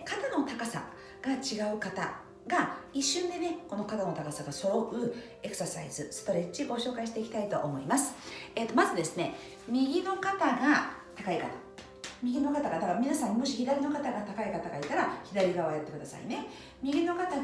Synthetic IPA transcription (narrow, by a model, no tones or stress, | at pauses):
kat̪ano̞t̪akasa̰ | ɡ̥at͡ɕiɡaɯ̟kat̪a̰ | ɡaiɕːɨ̃nd̪e̞ne̞ko̞no̞kat̪ano̞t̪akasaɡaso̞ɾoɯ̟ | e̞kɯ̥sasa̰izɨsɨ̥t̪o̞ɾe̞t͡ɕiɡo̞ɕo̞ːkaiɕi̥t̪e̞ikʲi̥t̪ait̪o̞ʔːmo̞imasɨ̥et̪ːo̞mazɨd̪e̞sɨne̞ | mʲiɡʲino̞kat̪aɡat̪akaikat̪ḁ | mʲiɡʲino̞kat̪aɡad̪akamʲinasãɲːmo̞ɕiçid̪aɾʲino̞kat̪aɡat̪akaikat̪aɡait̪aɾaçid̪aɾʲiɡaβajat̪ːe̞kɯd̪asa̰ḭne̞ | mʲiɡʲino̞kat̪a